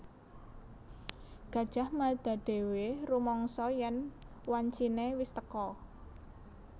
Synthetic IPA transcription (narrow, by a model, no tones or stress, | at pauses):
ɡ̥ä̤d̥ʒ̥a̤hmad̪̥a̤ɖ̪̥e̤werumɔŋsɔjɛnwaɲt͡ʃinewɪst̪əkɔ